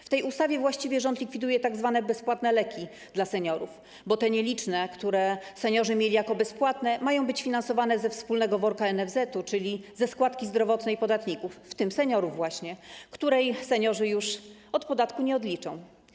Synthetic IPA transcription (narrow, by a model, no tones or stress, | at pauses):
ft̪ɛjust̪avʲjɛvwaɕt͡ɕivʲjɛʐɔnt̪lʲikfʲid̪ujɛt̪aɡzvanɛbɛspwat̪nɛlɛkʲi | d̪̥lasɛɲɔɾuf | bɔt̪ɛɲɛlʲit͡ʂnɛkt̪uɾɛsɛɲɔʐɘmʲjelʲijakɔbɛspwat̪nɛmajɔ̃w̃bɘt͡ɕfʲinansɔvanɛzɛfspulnɛɡɔvɔɾkaɛnɛvzɛt̪ut͡ʂɘlʲizɛskwat̪kʲizd̪ɾɔvɔt̪nɛjpɔd̪at̪ɲikufːt̪ɘmsɛɲɔɾuvːwaɕɲɛkt̪uɾɛjsɛɲɔʐɘjuʂ | ɔt̪pɔd̪at̪kuɲɛɔd̪lʲit͡ʂɔ̰̃w̃